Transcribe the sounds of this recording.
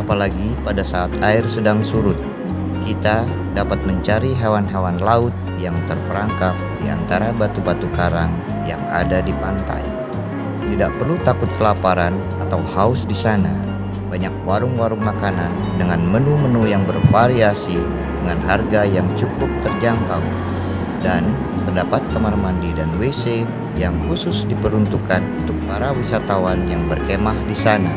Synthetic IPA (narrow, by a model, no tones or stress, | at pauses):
apalaɡipadasaːt̪aɪrsədaŋsuɾʊt̪̚ | kit̪a | dapat̪̚məɲt͡ʃaɾiɦawanɦawanlaʊt̪̚ | jaŋt̪ərpəɾaŋkap̚dia̰nt̪aɾabat̪ubat̪ukaɾaŋ | ja̰ŋa̰dadipant̪a̰j | t̪idaʔ̚pərlut̪akʊt̪̚kəlapaɾan | at̪awhaʊsdisana | baɲak̚waɾʊŋwaɾʊŋmakanan | dəŋanmənumənujaŋbərfaɾiasi | dəŋanɦarɡajaŋt͡ʃukʊp̚t̪ərd͡ʒant̪aw | dan | pərdapat̪ːəmərmandidanwese | jaŋhusʊsdipəɾunt̪ukanunt̪ʊk̚paɾawisat̪awanjaŋbərkemahdisana